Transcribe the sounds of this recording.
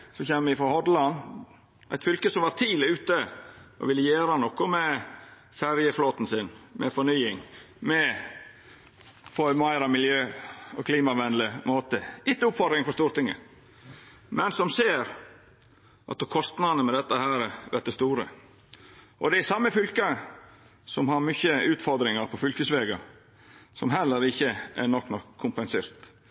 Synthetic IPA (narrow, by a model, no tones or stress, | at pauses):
sɔçeːməʋɪfɾɑhɔd̪lɑn | ʔæɪt̪fʏlkəsɔmʋɑt̪ʰiːlɪʉːt̪əʔɔ̰ʋɪlːəjeːɾɑnɔkːɔmɛ | fæɾjəfloːt̪n̩sɪnmʔɛ̰fɔɳyːɪŋ | mɛ | fʰɔmɑɪɾɑmɪljøːɔkʰliːmɑʋɛnlɪmoːt̪əɪt̪ːəʊpfɑɾɪŋfɔʂt̪uːɾt̪ɪŋːə̰ | mɛnsɔmseːɾ | ʔɑ̰t̪̚ːɔkʰɔst̪nɑnəmɛd̪ɛt̪ːəhæːɾəʋɛt̪̚d̪ɛst̪uːɾə̰ | ʔɔd̪ɛæsɑmːəfʏlkɑ | sɔmhɑɾmʏçəʉːt̪fɔɾd̪ɾɪŋɑɾpʰɔfʏlkəsʋeːɡɑ | sɔmɦɛlːəɾɪçːəʔænɔkːnɔkʰːʊmpənseːɾt̪